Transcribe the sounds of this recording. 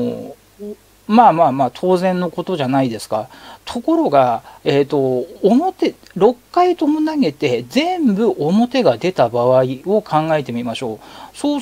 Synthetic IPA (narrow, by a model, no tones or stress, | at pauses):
maːmaːmaːt̪ʰo̞ːzẽ̞nːo̞ko̞t̪o̞ʑanaid̪e̞sɨ̥kat̪ʰo̞ko̞ɾo̞ɡaet̪ːo̞ːmo̞t̪e | ɾo̞kːait̪omonaɡe̞t̪e̞zẽ̞mbɯ̟ʔomo̞t̪e̞ɡad̪e̞t̪abaβaio̞kʰãŋɡae̞t̪e̞mʲimaɕo̞ːsoː